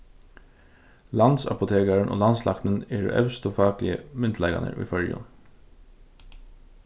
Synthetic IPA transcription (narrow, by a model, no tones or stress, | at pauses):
lɑnsa̰pʊt̪ʰeːkaɹənʔo̰ːlɑnslʔɑ̰kt̪nəneːɹʔœʉst̪ofɑːklɪəmʏnt̪ʰlɛɪɡa̰nə̰ɹḭfœɹjʊ̰n